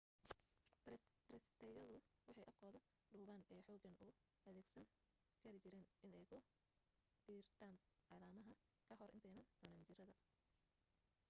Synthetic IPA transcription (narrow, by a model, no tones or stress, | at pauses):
t̪ɛs | ɾɛst̪ʰɛjɐðʊwɑħɑjʔɐb̚kʰɔːðɐ | ɖuːβaːnɛːħɔːɡɐnʊ | ʔɐðɛːɡsɐŋ | kʰɐɾɪt͡ʃɪɾɛːnɪnɛjkʰʊ | ɖiːrt̪ʰaːm | ʕaːlaːmɐɦɐ | kʰɐɦɔrʔɪ̰nt̪ʰɛjnɐħɔnɐːnt͡ʃɪrɐðɐ